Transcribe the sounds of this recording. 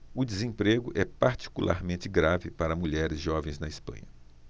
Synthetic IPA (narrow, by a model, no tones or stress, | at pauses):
ʊd͡ʒɪzẽpɾeɡʊʔɛpaɾt͡ʃi̥kulʔa̰ɾmẽnt͡ʃɪɡɾavɪpaɾɐmuʎɛɾɪzʒɔvẽj̃znɐɪspɐ̰̃ɲɐ